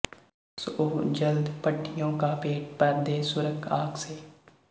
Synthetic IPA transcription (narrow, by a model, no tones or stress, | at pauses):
soːd͡ʒəld̪pəʈːɪjõːkaːpeːʈ̚pəɾd̪eːsʊɾəkʰaːkseː